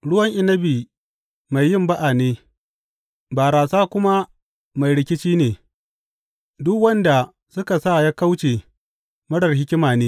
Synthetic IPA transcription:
ɽʊ˦wɐ˦ŋʔɪ˦nɐ˦biː˨ | ma˨jːɪ˦mba˦ʔa˨neː˦ | baː˨ɾaː˨saː˦kʷʊ˦ma˦ | ma˨jɽɪ˦kʲɪ˦t͡ʃiː˦neː˨ | dʊ˦kwɐ˦nda˨ | sʊ˦ka˨sa˦˨ja˦ka˦wt͡ʃeː˨ | mɐ˦ɽɐ˨rɦɪ˦kʲɪ˦maː˨neː˦

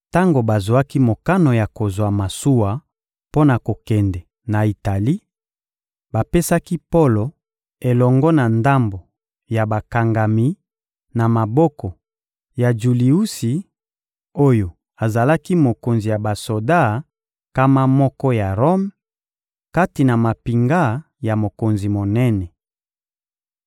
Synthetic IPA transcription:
ta˦ŋɡo˨ba˨zwa˦ki˦mo˨ka˦no˨ja˨ko˨zwa˨ma˨su˦wa˨ | po˦na˨ko˨kɛ˨ndɛ˨ | na˨i˨ta˨li˦ | ba˨pe˦sa˦ki˦po˦lo˨ | e˨lɔ˨ŋɡɔ˦na˨nda˦mbo˨ | ja˨ba˨ka˨ŋɡa˨mi˨ | na˨ma˨bɔ˦kɔ˨ | ja˨d͡ʒu˨li˨u˦si˨ | o˦jo˨ | a˨za˨la˦ki˦mo˨ko˨nzi˨ja˨ba˨so˨da˦˨ | ka˦ma˦mɔ˦kɔ˦ja˨ʁo˦m | ka˦ti˨na˨ma˨pi˨ŋɡa˦ | ja˨mo˨ko˨nzi˨mo˨nɛ˦nɛ˨

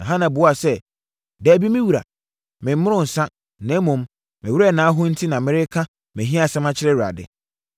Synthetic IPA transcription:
na˨ɦã˦nã˨bʊ˨˦a˨sɛ˦ | dɛ˨˦bi˦mɪ̃˦wu˨ɾa̰˨ | mɪ̃˨m̩˦mʊ˦ɾʊ̃˦˨n̩˨sã˦ | nɛ̃˦mʊ̃˨m | mɪ̃˨wu˦ɾɛ˦˨nãː˨˦ɦʊ˦n̩˦tʰi˦nã˨mɪ̃˦ɾɪ˦kʰã˦ | mɪ̃˨ɦĩ˦a˦˨sã˦mã˦t͡ɕʰɪ˦ɾɛ˦wu˨ɾa̰˨dɪ̰˨

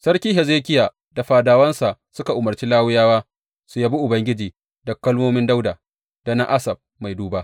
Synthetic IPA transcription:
sɐ˦ɽkʲiː˦ɦɛ˨zeː˦kʲɪ˦jaː˨ | da˨ɸaː˨daː˨wɐ˦nsa˨sʊ˦ka˨ʔʊ˨mɐ˨rt͡ʃiː˦laː˦wʊ˦jaː˦waː˦ | su˨jaː˦bi˦ʔʊ˨bɐ˦ŋɡʲɪ˦d͡ʒiː˨ | dɐ˨kːɐ˦lmoː˦mɪ˦nda˦wdaː˨ | d̥a˨na˦ʔa˦sɐ˨b̚ma˨jduː˦baː˦

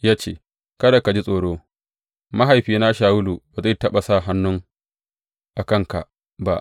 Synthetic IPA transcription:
jaː˦t͡ʃeː˦˨ | kɐ˦da˨ka˨d͡ʒi˦sʼoː˨ɽoː˦ | ma˦ɦa˨jɸiː˨na˦ʃaː˨wʊ˦lu˨ba˨za˦jtɐ˦ɓa˨sa˦˨ɦa˦nːʊ˦ŋ | ʔa˨kɐ˦ŋka̰˨ʔ | ba˦ʔ

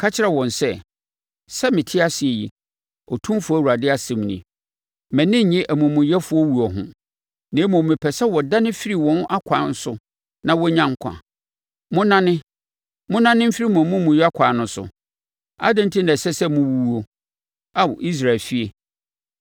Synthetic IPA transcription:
kʰa˦t͡ɕʰɪ˦ɾa˨wɔ̃˨nsɛ˦ | sɛ˦mɪ̃˨tʰɪ˦a˦sɪ˨e˨ji˨ | ɔ˨tʰũ˦m˦fʊ˦æ˦˨wu˨a˨dɪ˦a˦sɛ̃˨m˨nḭ̃˨ | mɛ̃˨nɪ̃˦˨ɲɪ̃˦ʔæ˨mʊ̃˨mʊ̃˨jɛ˦fʊ˨˦ɔ˦wu˨ɔ˨ɦʊ̰̃˨ | nɛ̃˨˦mʊ̃˨mɪ̃˨pʰɛ˨sɛ˦wɔ˨da˦nɪ̃˦fi˦ɾi˦˨wɔ̃˦n˦ʔa˦kʷʰãː˨˦n̩˦sʊ˦ | nã˦wɔ˦ɲã˦ŋ˦kʷʰã̰˨ | mʊ̃˦nã˦nɪ̃˦ | mʊ̃˦nã˦nɪ̃˦m̩˦fi˦ɾi˦mʊ̃˨mʊ̃˦mũ˨ja˦kʰʷaː˨nʊ̃˦sʊ̰˨ | a̰˦dɪ̃˦n̩˦tʰi˦nã˨sɛ˦sɛ˦mʊ̃˦wu˦wu˦o˦ | a˦wɔ˨ʔi˦s̬ɾa˨lfi˦e˨

